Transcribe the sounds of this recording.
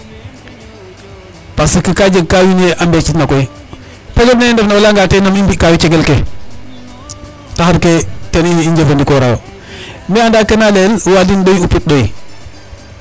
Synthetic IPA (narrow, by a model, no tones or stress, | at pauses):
pasikəkad͡ʒəɡ̚kawinjeʔambɛt͡ʃitnakɔi | pɛɡənendɛfnaolaŋɡaːtenamimbikawit͡ʃɛɡɛlke | tahaɾketɛniiɲd͡ʒefəndikɔɾawa | miandakːenalɛlwadinɗojupit̚ɗoi